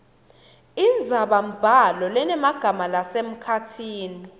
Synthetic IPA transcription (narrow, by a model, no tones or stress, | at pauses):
ind͡zʱaɓam̩b̥ʱalɔlɛnɛmaɡ̥ʱamalasem̩kʰatʰiːni